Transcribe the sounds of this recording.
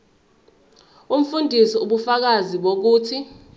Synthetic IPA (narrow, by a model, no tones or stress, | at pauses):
um̩fundʱisiuɓufak̬aziɓok̬uːtʰi